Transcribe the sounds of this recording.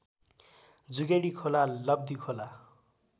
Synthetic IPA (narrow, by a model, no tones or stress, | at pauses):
d͡zuɡeɽikʰolalʌb̚d̪ikʰola